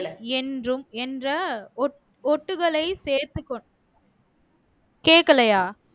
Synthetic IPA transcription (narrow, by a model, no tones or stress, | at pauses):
ɛndrɯmɛndrɐɔʈ | ɔʈːɯɣɐɭɐɪseːɾt̪ːɯkːɔɳ | keːkːɐɭɐjaː